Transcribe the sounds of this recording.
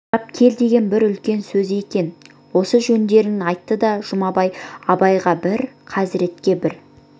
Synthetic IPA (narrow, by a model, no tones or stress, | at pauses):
ɑp̚kʲʰe̞ld̪e̞ɡʲe̞nbɪɾʏlkʲe̞nsɵze̞kʲe̞n | wo̞səʒɵnd̪e̞ɾɪnɑjt̪ːəd̪ɑʒ̥ʊmɑbɑjɑbɑjʁɑbɪɾqʰɑzɪɾe̞t̪kʲe̞bɪɾ